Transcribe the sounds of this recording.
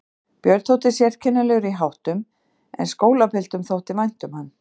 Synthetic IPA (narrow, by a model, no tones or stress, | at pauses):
pjœɾt̪ʰowt̪ɪsjɛr̥cʰɛnːʏlɛɣʏɾiɦawht̪ʏm | ɛ̰nskoːwlapʰɪlt̪ʏmθowht̪ɪmvajn̥t̪ʏmhanː